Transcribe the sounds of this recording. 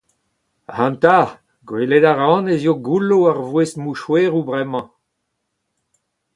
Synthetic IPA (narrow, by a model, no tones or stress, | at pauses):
hãnt̪a | ɡweled̪aʁɑ̃nezjoɡuloaʁvwesmuʃweːʁubʁɛmɑ̃